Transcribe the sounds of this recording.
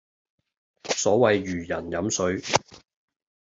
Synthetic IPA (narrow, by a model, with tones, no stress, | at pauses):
sɔː˨˥wɐ˨jɥyː˨˩jɐ˨˩njɐ˨˥msɵ˨˧˥ɥ